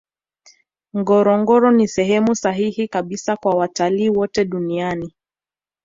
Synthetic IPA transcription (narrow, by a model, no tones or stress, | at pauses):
ŋɡɔɾɔŋɡɔɾɔnisɛɦɛmusaɦihikaɓisakwawataliːwɔtɛɗuniani